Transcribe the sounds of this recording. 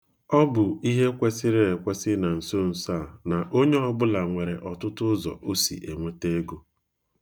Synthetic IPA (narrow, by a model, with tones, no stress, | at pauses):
ɔ˦bʊ˨i˦ɦe˦kʷe˦sɪ˦ɾe˦e˨kʷe˦sɪ˦na˨n̩˨so˦n̩˨sa˦˨na˨ʔo˦ɲe˦ɔ˦bʊ˦la˨ŋʷe˨ɾe˨ʔɔ˨tʊ˦tʊ˦zɔ̰˨ʔo˦sḭ˨ʔe˨ŋʷe˦te˦ɡo˦